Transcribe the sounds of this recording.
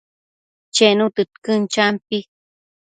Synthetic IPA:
t͡ʃenũt̪ɨt̪kɨnt͡ʃampi

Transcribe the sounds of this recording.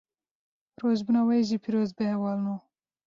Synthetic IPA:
ɾozbunawajʒipʰiɾozbehewɑːlnu

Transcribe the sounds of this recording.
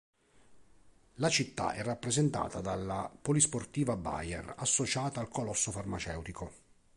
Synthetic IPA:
lat͡ʃit̪ːa̰ʔɛrːapːɾɛzent̪a̰ːt̪ad̪alːapolisport̪iːvaba̰jɛ̰rasːot͡ʃaːt̪aːlkolɔsːofarmat͡ʃɛ̰wt̪iko

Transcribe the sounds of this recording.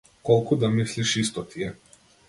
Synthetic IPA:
kɔlˠkud̪amisliʃist̪ɔt̪ʰiɛ

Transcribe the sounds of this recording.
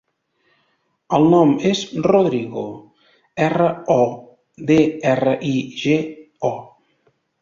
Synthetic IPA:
əlˠnɔmezroðɾiɣo | ɛrəɔ | ðeɛrəʔiʒe | ɔ

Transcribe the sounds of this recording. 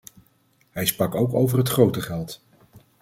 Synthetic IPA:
ɦɛjsprɑkowkowvərɦətχrowtəχɛlˠt

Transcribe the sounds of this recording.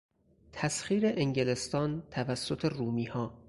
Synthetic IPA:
t̪ʰæsxiːɾe̞ʔeŋɟele̞st̪ɒːnt̪ʰævæsːot̪ʰe̞ruːmiːhɒː

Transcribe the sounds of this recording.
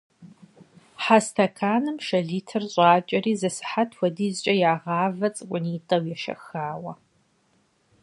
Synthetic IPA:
ħastʰɐkʰaːnɨmʃɐɮiːtʰɨrɕʼaːt͡ʃʼɐriːzɐsɨ̥ħatʰwʷɐdiːzt͡ʃʼɐjaːʁɑːvɐt͡sʼɨkʷʼʊniːtʼɐwjɛʃɐ̰xaːwɐ

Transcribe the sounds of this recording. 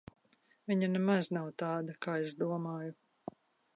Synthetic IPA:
viɲanɛmaznawt̪aːd̪akaːezd̪uɔmaːju

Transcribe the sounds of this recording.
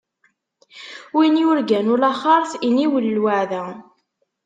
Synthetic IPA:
winijʊɾɡænʊlɑχɑɾˤθiniwəlːwaʕðæ

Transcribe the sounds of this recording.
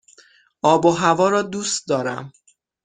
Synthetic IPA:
ʔɒːboɦævɒːɾɒːd̪uːst̪̚d̪ɒːɾæ̰m

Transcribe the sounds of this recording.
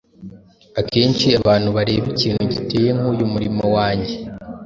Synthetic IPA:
ake̞ːnt͡ʃiaβaːn̥huβaɾe̞ːβiciːn̥huɟite̞ːje̞ŋ̥uːjumuɾimowaːɲɟe̞

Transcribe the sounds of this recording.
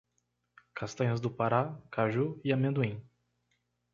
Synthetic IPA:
kʰast̪ɐ̃ɲɐzd̪ʊpaɾakʰaʒuiamẽd̪uĩ

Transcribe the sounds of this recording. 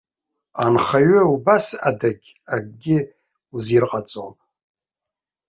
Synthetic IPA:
anχaɥaubasadaɡʲ | aɡɡʲɪ | uzirqʼat͡sʼapʼ

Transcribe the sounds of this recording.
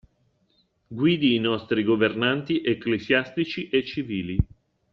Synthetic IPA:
ɡwiːd̪iːnɔst̪ɾiɡovernant̪iʔekːlezjast̪it͡ʃiʔet͡ʃːiviːli

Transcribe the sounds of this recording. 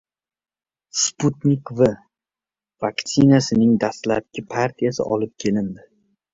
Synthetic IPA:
sput̪nʲikva | vakt̪sɪnasɪnɪŋd̪ast̪lap̚kʲɪpʰaɾt̪ʰijasɪ̰ʔɒ̰lɪp̚kʲʰe̞lɪnd̪ɪ

